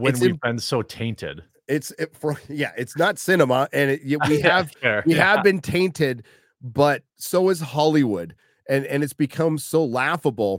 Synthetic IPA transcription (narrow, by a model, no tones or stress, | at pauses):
wɨ̃nsɨ̃bɨ̃nsoʊtʰẽɪ̃ntɪ̰d̥ | ɪtsɪfʌjæʔɪtsnətsɪnəməʔɨ̃njwiɨvɛwiɨvbɨ̃ntʰẽɪ̃ntɪd̚ | bʌt̚soʊɨz̥hɑlˠiwʊd | ʔɨ̃nɨ̃nɨtsb̥ɨkʰʌ̃msoʊlæfəbl̩ˠ